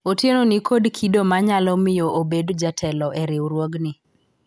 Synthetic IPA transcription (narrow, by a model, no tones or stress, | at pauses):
otjenonikʰodkʰidomaɲalɔmɪjoʔobedd͡ʒatʰɛlɔʔɛɾɪwɾwoɡnɪ